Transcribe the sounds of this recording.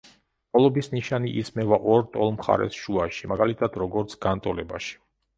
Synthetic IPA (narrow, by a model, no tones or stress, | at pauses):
ɔlˠɔbisniʃaniʔismɛvaʔɔɾt̪ʼɔlˠmχa̰ɾɛ̰sʃuaʃimaɡalit̪ʰad̪ɾɔɡɔɾt̪sʰɡ̥ant̪ʼɔlɛbaʃi̥